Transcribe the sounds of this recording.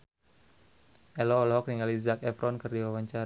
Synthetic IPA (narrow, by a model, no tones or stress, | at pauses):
ʔɛlɔːlɦɔkɾiŋalizakɛfɾʔɔnkɨrdiwawaɲt͡ʃaɾ